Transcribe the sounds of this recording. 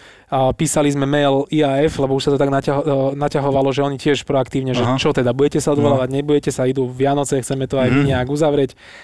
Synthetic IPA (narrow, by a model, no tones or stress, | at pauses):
piːsalizmɛmɛjliaːɛflɛbɔuʃsat̪ɔt̪aɡnacaɦɔnacaɦɔʋalɔʒɛɔɲicɪɛʃpɾɔakt̪iːʊɲɛʒɛt͡ʃɔt̪ɛd̪abuɟɛcɛsaɔd̪ʋɔlaːʋaɟɲɛbuɟɛcɛsaid̪uʋɪanɔt͡sɛxt͡sɛmɛt̪ɔajmiɲɛaɡuzaʋɾɛc